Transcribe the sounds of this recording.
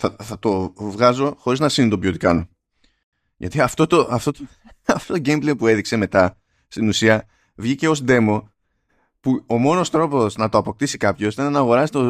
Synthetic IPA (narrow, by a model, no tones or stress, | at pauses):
θɐθɐt̪o̞vɣɐzo̞xo̞ɾiznɐsinit̪obio̞t̪ikɐno | ʝɐ̰t̪iɐft̪o̞t̪oʔɐft̪ot̪ | ɐft̪ot̪oɟejmblejpue̞ðikse̞me̞t̪ɐ | st̪inusiɐ | vʝice̞o̞sd̪e̞mo̞ | puo̞mo̞no̞st̪ɾo̞po̞znɐt̪o̞ɐpo̞k̚t̪isikɐpço̞sit̪ɐnenɐːɣo̞ɾɐsi̥t̪o